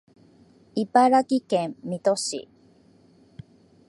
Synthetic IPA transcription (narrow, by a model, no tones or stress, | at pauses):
ipaɾakikẽmit̪oɕḭ